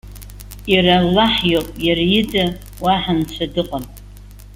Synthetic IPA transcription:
iralːaħjopʼjarjɪda | waħant͡ʃʷʰadɨqʼam

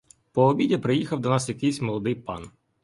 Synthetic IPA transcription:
pɔːbʲidʲɐpɾɪjixɐwd̪ɔnɑsjɐkɪjsʲmɔlˠɔd̪ɪjpɑ̰n

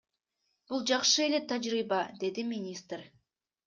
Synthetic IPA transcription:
b̥ʊlˠʒɑqʃəelet̪ʰːæd͡ʒɾijbɑd̪e̞d̪ɪminʲist̪ɾ

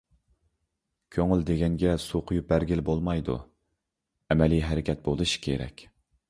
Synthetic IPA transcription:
kʲʰøŋyld̪eɡʲɛŋɡʲɛsuqʰʊjup̚bæɾɡʲɪlbolˠmɑjd̪ṵ | ɛmɛliɦɛɾɪkʲɛt̪̚bolˠɨʃi̥kʲʰḛɾɛ̰kʲ

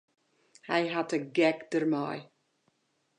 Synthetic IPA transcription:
hajɦatʰəɡɛkd̥əɾmaj

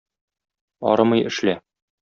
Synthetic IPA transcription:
ɒ̰ɾɤmɤjɘ̆ʃlæ

